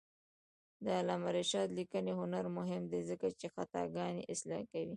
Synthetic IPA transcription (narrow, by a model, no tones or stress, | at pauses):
d̪əalɑmaɾeʃɑt̪likəneɦʊnaɾmʊɦɪmd̪ezəkat͡ʃexat̪ɑ̰ɡɑneʔɪslɑ̰kawi